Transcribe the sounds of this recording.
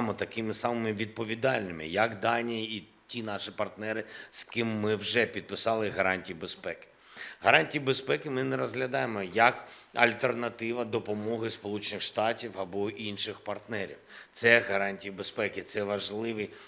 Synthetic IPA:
mɔt̪ɐkɪmɪsɑmɪmɪʋʲid̪̚pɔʋʲid̪ɑlʲnɪmɪ̰jɐkd̪ɑnʲijiː | tʲinɑʃipɐrt̪nɛɾɪz̥kɪmːɪwʒɛpʲid̪̚pɪsɑlˠɪɦɐɾɑnʲtʲijibespɛkɪ̥ | ɦɐɾɑnʲtʲijibespɛkɪmɪnɛɾɔzɦlʲɐd̪ɑjemɔjɐkɐlʲt̪ernɐt̪ɪʋɐd̪ɔpɔmɔɦɪspɔlˠut͡ʃɪnɪxʃt̪ɑtʲiwɐbɔʔinʃɪxpɐrt̪nɛɾʲḭwt̪sɛɣɐɾɑnʲtʲijibespɛkɪt̪sɛʋɐʒlˠɪʋɨj

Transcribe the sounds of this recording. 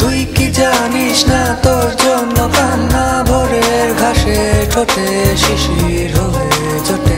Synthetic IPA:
d̪ʱujkid͡ʑaniʃnat̪oɾd͡ʑɔnːokanːabʱɔɾeɾɡʱaʃeʈʰoʈe | ʃiʃi | ɾɦɔe | d͡ʑoʈe

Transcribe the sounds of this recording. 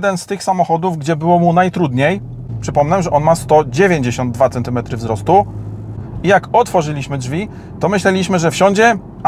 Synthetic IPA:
d̪ɛnst̪ɘxsamɔxɔd̪uvɡd͡ʑɛbɘwɔmunajt̪ɾud̪ɲej | pʂɘpɔmnɛmʐɛʔɔnmast̪ɔd͡ʑevʲjeɲd͡ʑeɕɔnd̪̚d̪vat̪sɛnt̪ɘmɛt̪ɾɘvzɾɔst̪u | ijakɔt̪fɔʐɘlʲiɕmɘdʐvʲi | t̪ɔmɘɕlɛlʲiɕmɘʐɛfɕɔɲd͡ʑɛ

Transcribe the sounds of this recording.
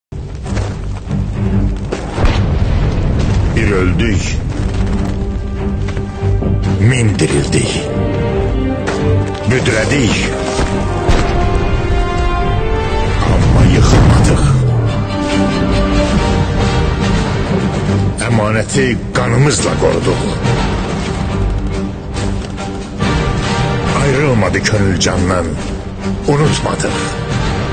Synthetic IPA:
biɾø̞ld̪yj | mind̪iɾḭld̪ḭç | bød̪ɾæd̪iç | ɑ̰mːɑ̰jɯχlˠmɑ̰d̪ɯχ | æmɑːnæt̪ʰiɡ̥ɑnɯmɯzlˠɑ̰ɡo̞̰ɾud̪uχ | ɑjɾɯlˠmɑd̪ɯcʰønyld͡ʒɑnːɑn | unut̪ʰmɑ̰d̪ɯχ

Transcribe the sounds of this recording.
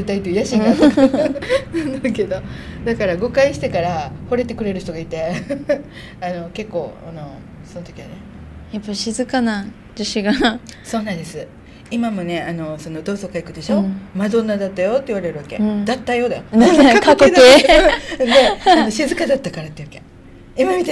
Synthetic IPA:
it̪ait̪ːeɯjaɕĩŋɡaa | nd̪ake̞d̪o̞d̪akaɾaɡo̞kaiɕi̥t̪e̞kaɾaho̞ɾe̞t̪e̞kɯ̟ɾe̞ɾɯ̟ç̥t̪o̞ɡait̪e̞ | ano̞ke̞kːo̞ːano̞ | sonot̪o̞kʲianejapːaɕizɨkana | d͡ʑiɕiɡaso̞ːnãnd̪esɨ | imamo̞ne̞ano̞so̞no̞d̪o̞ːso̞kaikɯ̟d̪e̞ɕo̞mad̪o̞nːad̪at̪ːajo̞t̪ːeiβaɾe̞ɾɯ̟βake̞̰d̪at̪ːajo̞ːd̪ajokakokːd̪ae | d̪e̞ano̞ɕizɨkad̪at̪ːakaɾat̪ːeiɯβḁke̞ | imamʲit̪e

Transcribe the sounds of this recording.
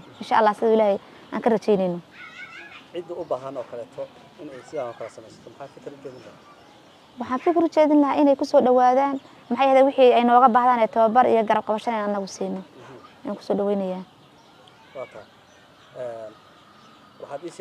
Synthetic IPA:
ʔɪnʃa̰ʔɐlːaːsɪɐðʊɪlaːhɛj | ʔa̰ːŋkʰɐrɐt͡ʃɛjnɛjnɔ | ʕɪd̪ʊʊbaːɦɐnɔːkʰɐlɛːt̪ʰɔ | ɪnɛjsɪðaːhɔkʰɐlɐsɐmɛjsɐ̥t̪ʰɔmħɑːd̪fɪkʰɐɾʊt͡ʃɛːðɪnlɐha | wɑħɑːnfɪkʰɪɾʊt͡ʃɛːðɪnlɐhaːʔɪnɛjkʰʊsɔːɖɐwaːðaːn | mɑħɑjɛːðɛːwɪħiɛjnɔːɣɐbaːhɦðaːnɛːt̪ʰɐβɐbɐɾḭjɔɡɐɾɐb̚qɑβɐʃɐnɛnanɪnːɐɣʊsiːnːɔa̰ːŋkʰʊ̥sɔːɖɐwɛjnɐjaːn | wɑːt̪ʰɐ | ɛːn | wɑħaːd̪iːʃ

